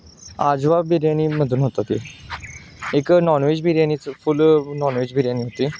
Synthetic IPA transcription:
ad͡zʋabʱiɾjañiməd̪ʱuːnɦot̪at̪i | eknɔnʋed͡ʑbʱiɾjañiːt͡sfulnɔnʋed͡ʑbʱiɾjañiːɦot̪iː

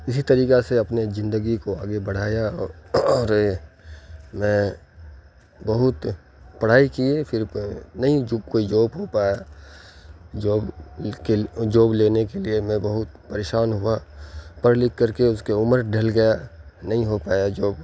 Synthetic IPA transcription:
ɪsit̪ɐɾiːkaseɐpnezɪ̃nd̪əɡikoaːɡebɐɽ̤aːjaɔɔːɾ | mɛ̃ | bɐɦʊt̪ | pɐɽ̤aːikiefʰɪɾnɐɦĩd͡ʒkoːid͡ʒoːbɦopaːja | d͡ʒoːbked͡ʒoːbleːnekeliemɛ̃bɐɦʊt̪̚pɐɾeːʃaːnɦʊapɐɾlɪkːɐɾkeʊskeʊməɾɖʱɐlɡɐjanɐɦĩɦopaːjad͡ʒoːb

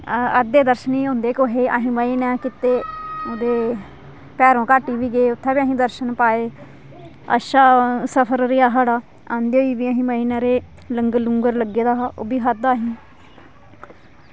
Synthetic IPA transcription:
əd̪eːd̪əɾʃəniːõːnd̪eːkoːɦeːa̰ɦĩːməiːnɛːkɪt̪ːeːod̪eː | pɛːɾõːkaːʈːiːʋiːɡeːʊt̪ʰːaːbiaːɦĩːd̪əɾʃənpaːeː | ə̰ʃaːsəpʰəɾɾɪaːɦaɽaː | ãːnd̪oːiːbiːaɦĩːməiːnaːɾeː | ləŋɡluːŋɡəɾləɡeːd̪aːɦaːo̰ːbiːɦəaːɦĩː

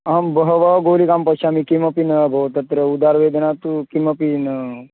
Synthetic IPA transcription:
ambəɦəʋəɡolikampəɕamikiməpinəbʱəʋt̪ət̪ɾəud̪aɾʋed̪ənat̪ukiməpinə

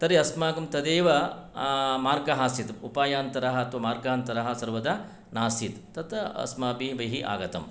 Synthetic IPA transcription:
t̪ɐɾeɐsmaːɡɐmt̪ɐd̪eːʋɐ | maːɾɡɐɦaːsit̪upaːjaːnt̪ɐɾɐɦɐɐt̪ʋɐmaːɾɡaːɐnt̪ɐɾɐɦɐ̆sɐɾʋɐd̪ɐ | naːsit̪ːɐt̪ɐɐ̰smaːpiʋɐɦiʔa̰ːɡɐt̪ɐm

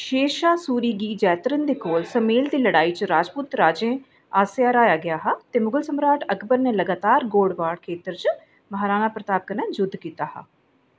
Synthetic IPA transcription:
ʃeːʃaːsuːɾiːɡiːd͡ʒɛːt̪ɾənd̪eːkoːlsəmeːld̪iːləɽaːiːt͡ʃəɾaːd͡ʒpuːt̪ɾaːd͡ʒẽː | aːseaːɾaːjaːɡɪjaːɦaːt̪eːmʊɡəlsəmɾaːʈʰəkʰbəɾneːləɡaːt̪aːɾɡoːɽʋaːɽkʰeːt̪əɾt͡ʃə | məɦaːɾaːnaːpɾət̪aːp̚kənɛ̃ːd͡ʒʊd̪ʱkiːt̪aːha̰ː

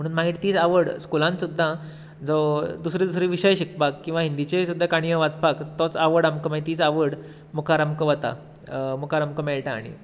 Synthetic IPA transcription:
m̤əɽ̃uːnmaɡiʈt̪iːt͡saʋəɽskulãnsud̪ʱːa | d͡zɔd̪usɾid̪usɾiʋiɕəjɕikbakːĩw̃ʋaɦind̪it͡ɕesud̪ʱːakaɽ̃ijəʋat͡spakt̪ɔt͡saʋəɽamkəmait̪iːt͡saʋəɽ | mukʰaɾamkəʋət̪a̰ | mukʰaɾamkəmɛɭʈaːɽ̃ḭ

